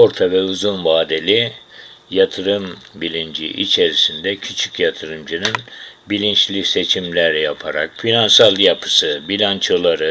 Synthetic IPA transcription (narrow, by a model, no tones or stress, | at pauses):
o̞ɾt̪ʰavɛuzunvaːd̪e̞lʲi | jat̪ʰɯɾɯmbilʲind͡ʒḭʔḭt͡ʃʰe̞ɾisind̪ɛcʰyt͡ʃʰycjat̪ʰɯɾɯmd͡ʒɯnɯnbilʲint͡ʃlʲise̞t͡ʃʰimlʲæɾjapʰaɾa̰kfinansalˠjapʰɯ̥sɯbilʲant͡ʃʰolˠaɾɯ